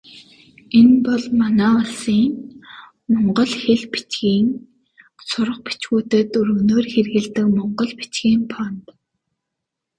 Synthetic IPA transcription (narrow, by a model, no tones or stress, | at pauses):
enpɔɮmanæːɔɮsiːŋ | mɔɴɢɞ̆ɮxeɮpi̥t͡ɕɡiːŋ | sʊɾə̆χ̚pi̥t͡ɕɣuːt̪ɘ̆ːt̪ɵɾɵ̆noːrxerɣɘ̆ɮt̪ɘ̆kmɔɴɢɞ̆ɮpi̥t͡ɕɡiːmpʰɔnt̪